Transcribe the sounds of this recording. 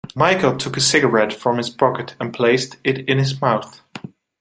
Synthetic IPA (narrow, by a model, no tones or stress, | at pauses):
maɪkl̩ˠtʰʊkɨsɪɡə˞ɛtfɹʌ̃mɨz̥pʰɑkɨɾə̃npʰl̥eɪstɪɾɪ̃nɪzmaʊθ